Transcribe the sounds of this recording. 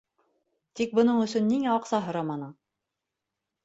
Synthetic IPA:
t̪ik̚bŏnɤɴɵ̆sɵnːiŋæɒqsɑɦŏɾɑmɑnɤ

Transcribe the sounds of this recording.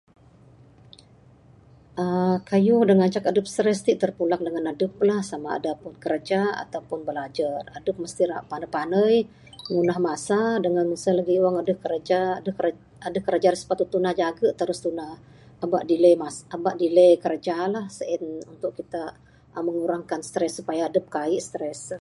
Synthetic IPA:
ʔəkajʊhdəŋaɲt͡ʃakadəp̚st̪ɾɛst̪iʔt̪ərpulak̚dəŋanadəp̚lahsamaa̰dapʊnkəɾad͡ʒaa̰t̪awpʊnbəlad͡ʒaradəp̚məst̪iɾaʔpanəpanəj | ŋunaɦmasadəŋansəlaɡiuwaŋadəhkəɾad͡ʒadəhkə | adəhkəɾad͡ʒaɾisə̥pat̪ut̪ːunahd͡ʒaɡəʔt̪əɾʊst̪unahː | ba̰ʔdiləjmasabaʔdiləjkəɾad͡ʒalahsəʔɪnunt̪ʊʔkit̪a | məŋuɾaŋkanst̪ɾɛsːupajaːdəp̚kaɪʔst̪ɾɛs

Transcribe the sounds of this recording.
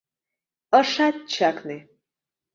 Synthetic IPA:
əʂat̚t͡ʃʰakʰne

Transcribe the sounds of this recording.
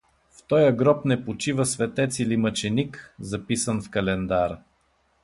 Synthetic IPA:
ft̪ɔjəɡɾɔpnɛpot͡ʃivəsvɛt̪ɛt̪silimɐt͡ʃɛnikzɐpisənfkɐlɛnd̪aɾ

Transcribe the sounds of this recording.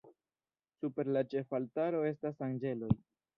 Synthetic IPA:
supe̞ɾlat͡ʃe̞faltaɾo̞e̞stas̬aŋd͡ʒe̞lo̞j

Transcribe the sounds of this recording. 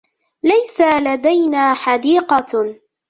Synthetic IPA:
lajsalad̪ajnaːħɑd̪iːqɑ

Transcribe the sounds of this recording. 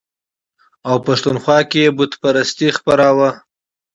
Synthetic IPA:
awpaʂt̪unxwɑkeebʊt̪paɾast̪ixpaɾawə

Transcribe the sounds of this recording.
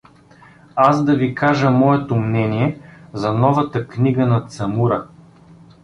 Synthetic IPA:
asd̪ɐvikaʒəmɔɛt̪omnɛniɛzɐnɔvɐt̪əkniɡənɐt̪sɐmuɾɐ

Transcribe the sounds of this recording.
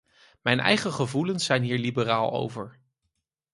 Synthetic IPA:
mɛjnɛ̰jχəχəvulənsːɛjnɦiːɹlibəraːlˠo̰wvəɹ

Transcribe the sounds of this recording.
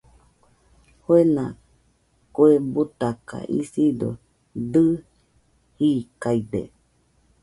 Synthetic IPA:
hoenã | kuebut̪aka̰ʔḭsido̰ | d̪ɨ | hikaid̪ḛ

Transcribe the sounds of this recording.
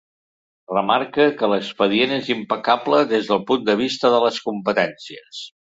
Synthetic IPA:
rəmaɾkəkələkspəðienezimpəkabləðezðəlˠpund̪əβ̞ist̪əðələskumpət̪ɛnsiəs

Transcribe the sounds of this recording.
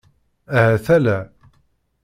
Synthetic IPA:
æhæθælæ

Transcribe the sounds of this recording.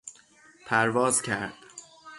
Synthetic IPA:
pʰæɾvɒːzcʰæɾd̪̥

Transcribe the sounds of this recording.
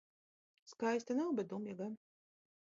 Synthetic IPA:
skajst̪anawbʲɛd̪umjaɡan

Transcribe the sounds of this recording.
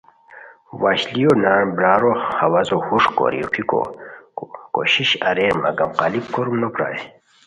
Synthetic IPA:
waːɕlijonaːɾbɾaːɾohɐwazohuʂko̰ɾḭopʰiko̰ | koɕiɕɐɾeːɾma̰ɡamqaːlib̚koɾumnopɾa̰ːj

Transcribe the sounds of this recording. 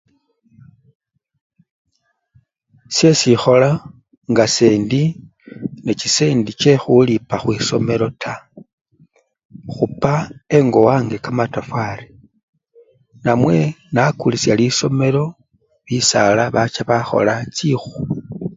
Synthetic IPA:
sje̞sixo̞la | ŋɡase̞ːndi | net͡ʃise̞ːndit͡ʃe̞xulipaxwiso̞me̞ɾo̞tʰa | xupaeŋɡo̞waːŋɡe̞kamatafwaɾe | namwe̞nakulisjaliso̞me̞lo̞ | βisalaβat͡ʃaβaxo̞̰lat͡ʃixu̥

